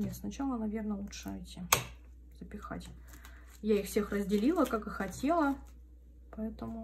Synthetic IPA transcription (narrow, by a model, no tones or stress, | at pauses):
nʲet̪snɐt͡ɕalˠənɐvʲe̞rnəlˠutʂəɪtʲɪ | z̥əpʲɪxa̰tʲ | jaixfsʲe̞xrəzʲdʲɪlʲilˠəkakɨxɐtʲe̞lˠə | pɐɛt̪əmʊ